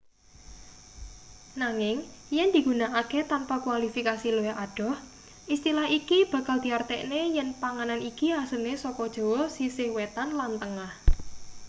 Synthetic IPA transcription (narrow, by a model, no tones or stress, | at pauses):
naŋɪŋjɛnd̪̥i̤ɡunaʔaket̪anpakwalifikasiloeʔaɖ̥ɔ̤h | ʔist̪ilahikib̥ä̤kald̪̥i̤art̪ɛ̰ʔnejɛnpaŋananikiasənesɔkɔd̥ʒ̥o̤wɔsisɪhwet̪anlant̪əŋah